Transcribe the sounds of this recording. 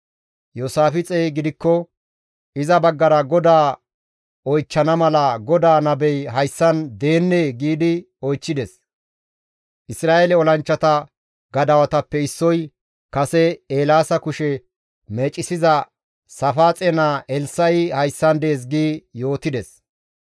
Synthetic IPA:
joːsaːfɪt͡sʼɛjɡɪd̪ɪkːɔ | ɪzɐbɐɡːɐɾɐɡɔd̪aː | ɔjt͡ʃːɐnɐmɐlɐɡɔd̪aːnɐbɛjɦɐjsːɐnd̪e̞ːnːeːɡiːd̪ɪ | ɔjt͡ʃːɪd̪ɛs | ʔɪsɾaːʔelɛɔlɐnt͡ʃːɐt̪ɐ | ɡɐd̪ɐwɐt̪ɐpːɛɪsːɔj | kɐsɛeːlaːsɐkʊʃɛ | meːt͡ʃʼːɪsɪzɐ | sɐfaːt͡sʼɛnaːʔɛlsɐjhɐjsːɐnd̪e̞ːs̬ɡiːjo̞ːt̪ɪd̪ɛs

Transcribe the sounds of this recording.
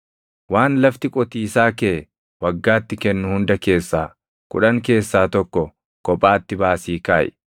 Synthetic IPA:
waːnlɐft̪ɪkʼɔt̪iːsaːkeː | wɐɡːaːt̪ːɪkɛnːʊhʊnd̪ɐke̞ːsːaː | kʊ̰ᶑɐŋke̞ːsːaːt̪ɔkːɔ | kɔpʼːaːt̪ːɪbaːsiːkaːʔɛ̰

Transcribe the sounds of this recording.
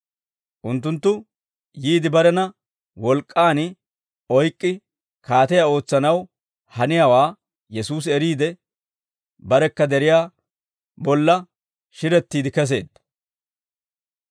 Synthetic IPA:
ʔʊnt̪ːʊnt̪ːʊ | jiːd̪ɪbɐɾɛnɐ | wɔlkʼːaːn | ɔjkʼːɪ | kaːt̪ɛjao̞ːt͡sːɐnɐw | hɐnɪjaːwaː | jɛsuːs̬ɛɾiːd̪ɛ | bɐɾɛkːɐd̪ɛɾɪjaː | bɔlːɐ | ʃɪɾɛt̪ːiːd̪ɪkɛs̬e̞̰ːd̪ɐ

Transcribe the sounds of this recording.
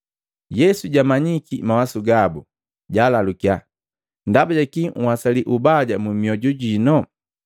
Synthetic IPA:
jɛsuɟamaɲikimawasuɡabu | ɟalalukia | ndabaɟakiŋ̩wasaliʔubaɟamumiɔɟuɟinɔ

